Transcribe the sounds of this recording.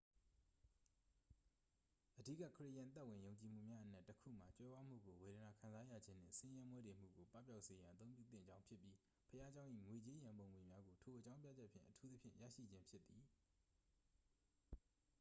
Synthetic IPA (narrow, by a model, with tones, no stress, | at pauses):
ʔədi˦˨kä̰˦˨kʰəɹḛ˦ʔjã˨t̪a˦ʔwɪ̃˨jõ˨ʊ̃ɲt͡ɕi˨m̥ṵ˦˨mja˦ʔənɛ˦ʔtːəkʰṵ˦˨m̥a˨t͡ɕwɛ˦bwa˦m̥ṵ˦˨ɡo˨we˨ɾə˨na˨kʰã˨nza˦jä̰˦˨d͡ʑɪ̃˦n̥ɪ̰̃˦˨sɪ̃˦jã˦mwɛ˦de˨m̥ṵ˦˨ɡo˨pa˦˨p̬ja˦ʊʔse˨jã˨ʔət̪õ˦ʊ̃pju˦˨t̪θɪ̰̃˦˨ɲd͡ʑã˦ʊ̃pʰjɪ˦pji˦ | pʰəja˦d͡ʑã˦ʊ̃ʔḭ˦˨ŋwe˨t͡ɕe˦jã˨mbõ˨ʊ̃ŋwe˨mja˦ɡo˨tʰo˨ʔət͡ɕã˦ʊ̃pja̰˦˨d͡ʑɛ˦ʔpʰjɪ̰̃˦˨ʔətʰu˦t̪ə˦pʰjɪ̰̃˦˨ja̰˦˨ʃḭ˦˨d͡ʑɪ̃˦mpʰjɪ˦t̪ːi˨